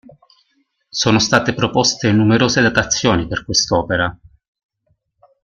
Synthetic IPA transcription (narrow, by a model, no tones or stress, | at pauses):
soːnost̪aːt̪epɾopost̪enumeɾoːzed̪at̪at̪sːjoːniperkwest̪ɔːpeɾa